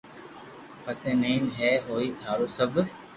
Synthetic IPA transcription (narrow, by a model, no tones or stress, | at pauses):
pəsẽːnẽinɦɛːɦoːiːt̪ʰaːɾoːsəb